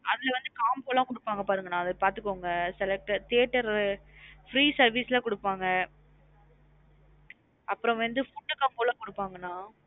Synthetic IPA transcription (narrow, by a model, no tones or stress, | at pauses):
ɐðɪlɐʋɐnd̪ɯkaːmpoːlãːkʊɽɯpːaːŋɡɐpaːɾɯŋɡɐnːãːɐðɐpaːɾt̪ɯkːoːŋɡɐsɛlɛk̚ʈːɐt̪eːʈːɐɾ | fɾiːsɐɾʋiːslɐkɔɽɯpːaːŋɡɐ | ɐpːɯɾɔ̃ʋɐnd̪ɯfʊʈːɯkaːmpoːlãːkɔɽɯpːaːŋɡɐnːãː